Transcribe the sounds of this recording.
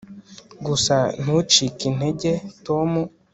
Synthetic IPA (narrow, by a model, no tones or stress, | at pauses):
ɡusan̥ut͡ʃikin̥eɟetomu